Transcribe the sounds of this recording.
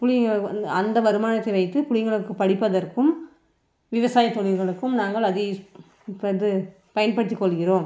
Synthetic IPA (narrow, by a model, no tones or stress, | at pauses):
pʊɻɪɡɐɭɐnd̪ɐʋɐɾɯmaːnɐt̪ːɐɪʋɐɪt̪ːɯpʊɻɪŋɡɐɭɯkːɯpɐɽɪpːɐðɐɾkɯm | ʋɪʋɐsaːjɐt̪ːɔɻɪɾɣɐɭɯkːɯmnaːŋɡɐɭɐðɯ | pɐðɯ | pɐjɐnpɐɽɯt̪̬ːikːɔɭɣɪroːm